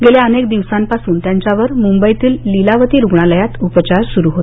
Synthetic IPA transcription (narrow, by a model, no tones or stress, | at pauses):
ɡeljaənekd̪iʋsampasuːnt̪jaɲt͡ɕaʋəɾmumbəjt̪iːlːilaʋət̪iːɾuɡɳaləjat̪upət͡ɕaɾsuɾuɦot̪